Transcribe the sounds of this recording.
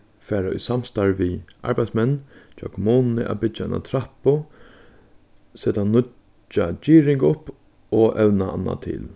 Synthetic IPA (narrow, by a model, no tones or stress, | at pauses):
fæːɾaʊ̰jsamst̪aɹʋiʔa̰ɹbaj̪smɛnːt͡ʃɔ̰kmɔːnnɪʔa̰bɪaana̰t̪ʰɾapʊ | seːt̪anʊ | t͡ʃːat͡ʃiːɾɪŋkʊp | ɔʔɛwnaa̰nːa̰t̪ʰɪ̰l